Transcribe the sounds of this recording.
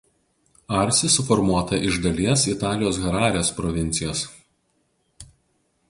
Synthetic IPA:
ɐˑɾʲsʲɪsʊfɔɾmuɔt̪ɐʔɪʒd̪ɐlʲiɛsɪt̪ɑːlʲɪjoːs̬ɣʲɐɾɑːɾʲɛospɾɔʋʲɪnʲt̪sʲɪjoːs

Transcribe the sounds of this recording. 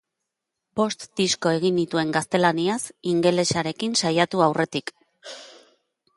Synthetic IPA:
bo̞st̪d̪isko̞e̞ɣ̞ind̪it̪ue̞ŋɡast̪e̞laniasiŋɡe̞le̞saɾe̞kinsajat̪uawre̞t̪ik

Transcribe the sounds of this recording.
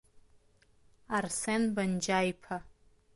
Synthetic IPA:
arsenband͡ʒajpʰa

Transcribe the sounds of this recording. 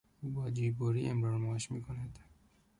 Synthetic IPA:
ubɑːd͡ʒiːboɾiemɾoːɾmɑːʃmikʰoned̪

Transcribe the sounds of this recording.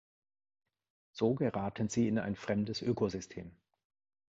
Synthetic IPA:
z̥oːɡəʁaːtʰənziːɪna̰ɪnfʁ̥ɛmdəsʔøːkozʏstʰḛːm

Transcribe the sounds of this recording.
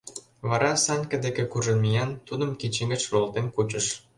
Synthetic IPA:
βɑɾɑsɑnʲkə̆d̪ekekuʒə̆nmijɑnt̪ud̪ə̆mket͡ɕiŋɡə̆t͡ɕlolt̪enkut͡ɕə̆ʃ

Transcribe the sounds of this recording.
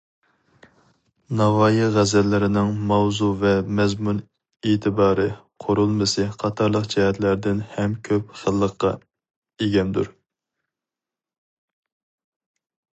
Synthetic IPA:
nɑvɑːjiʁæzɛlːɪɾɪnɪŋmɑwzuvɛmɛzmun | eːt̪ʰɨbɑːɾɨqʰoɾulˠmɨsɨqʰɑt̪ʰɑɾlˠəqd͡ʒɛhɛt̪læɾd̪ɪnhɛmkʲʰøpχəlˠːəqːɑ̰ | eɡʲɛnd̪ṵɾ

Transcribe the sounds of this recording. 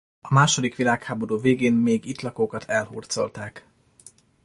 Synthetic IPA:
ɒmaːʃo̞d̪ikʋilaːkhaːbo̞ɾuːveːɡeːmmeːɡit̪lɒkoːkɒt̪ʰɛlhṵːrt̪so̞̰lt̪aːk

